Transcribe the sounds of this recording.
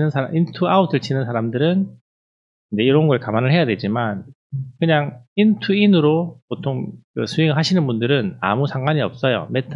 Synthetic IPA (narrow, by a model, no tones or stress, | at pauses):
nɯnsʰaaʔintʰuautʰɯɭt͡ɕʰinɯnsʰaɾamdɯɾɯn | ind͡ʑe̞iɾʌnɡʌɭkamanɯɭhe̞jadwe̞d͡ʑiman | kɯɲaŋintʰuinɯɾopotʰoŋkɯsʰuiŋɯɭɦaɕʰinɯnbundɯɾɯna̰musʰaŋɡwaɲiʌp̚s͈ʌjo̰metʰ